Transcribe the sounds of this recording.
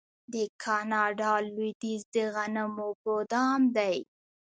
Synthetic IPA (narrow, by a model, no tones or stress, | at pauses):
d̪əkʰɑnɑɖɑlwid̪izd̪əɣanamoɡod̪ɑmd̪aj